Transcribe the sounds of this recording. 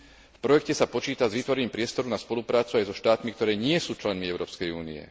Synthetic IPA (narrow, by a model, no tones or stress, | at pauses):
fpɾɔjɛkcɛsapɔt͡ʃiːt̪azʋiːt̪ʋɔɾɛɲiːmpɾɪɛst̪ɔɾunaspɔlupɾaːt͡suajzɔʃt̪aːt̪mikt̪ɔɾɛːɲɪɛsuːt͡ʃlɛnmiɛʊɾɔːpskɛjṵːnḭɛ̰